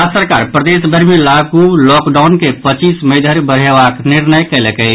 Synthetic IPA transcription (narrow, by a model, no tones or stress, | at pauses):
asəɾkaɾpɾəd̪esbʱəɾmelaɡulɔkɖawnkepət͡ʃisməjd̪ʱəɾbəɾ̤ɦebakniɾnəjkɛləkə